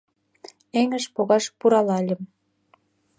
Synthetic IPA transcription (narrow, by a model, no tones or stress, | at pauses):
eŋə̆ʃpoɣɑʃpuɾɑlɑlʲə̆m